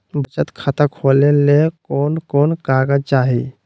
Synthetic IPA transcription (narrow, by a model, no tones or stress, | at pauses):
bət͡ʃət̪kʰat̪əkʰolelekonkonkaɡəd͡ʒt͡ʃaɦi